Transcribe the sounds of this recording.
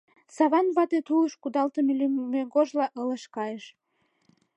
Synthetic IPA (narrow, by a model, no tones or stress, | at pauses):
sɑβɑnβɑt̪et̪uləʃkud̪ɑlt̪əmelymeɡoʒlɑʔələʃkɑjəʃ